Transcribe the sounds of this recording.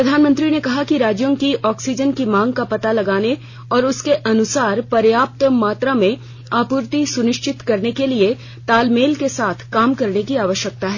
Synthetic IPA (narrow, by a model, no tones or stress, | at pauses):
ppɾɐd̪ʱaːnmə̃nt̪ɾinekɐɦakiɾaːd͡ʒjõkiʔɔːksid͡ʒənkimãːŋɡ̚kapɐt̪alɐɡaːne | ɔːɾʊskeʔɐnʊsaːɾpɐɾjaːp̚t̪maːt̪ɾamẽ | aːpʊːɾt̪isʊnɪʃt͡ʃɪt̪kɐɾnekelie | t̪aːlmeːlkesaːt̪ʰkaːmkɐɾnekiaːʋəʃjək̚t̪aɦɛː